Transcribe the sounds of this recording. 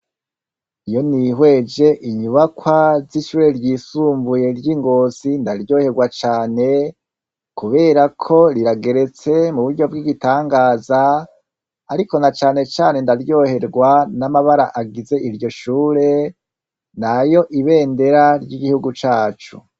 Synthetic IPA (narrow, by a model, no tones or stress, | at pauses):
ijo̞niɦwe̞d͡ʒe̞ʔiɲuβakwaziʃuːɾe̞ɾjiːsuːmbuje̞ɾjiŋɡo̞ːzindaɾjo̞ːhe̞ɾɡwat͡ʃaːne̞ | kuβe̞ɾakʰo̞ɾiɾaɡe̞ɾe̞t͡se̞muβuɾɟo̞bɡiɡitaːŋɡaːzaː | ɾiko̞nat͡ʃaːne̞t͡ʃaːne̞ndaɾjo̞ːhe̞ɾɡwanamaβaɾaʔaɡize̞ʔiɾɟo̞ʃuːɾe̞ | najo̞ʔiβe̞ːnde̞ɾaɾɟiɡihuɡut͡ʃaːt͡ʃṵ